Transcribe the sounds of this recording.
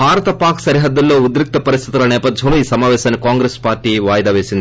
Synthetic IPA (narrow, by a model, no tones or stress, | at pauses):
bʱaːɾɐt̪ɐpaːksɐɾiɦɐd̪ːɐlːo̞ːud̪ɾik̚t̪ɐpɐɾist̪ʰit̪ulɐnɛːpɐd̪ʱd͡ʒɐmloːiːsɐmaːʋɛːʃaːnːikaːŋɡɾespaːɾʈːiːʋaːjɐd̪aːʋe̞ːsind̪i